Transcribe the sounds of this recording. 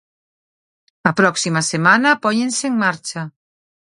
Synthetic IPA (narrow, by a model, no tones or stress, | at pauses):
ɐpɾɔksimɐsemanɐpɔɲẽnseːŋmaɾt͡ʃɐ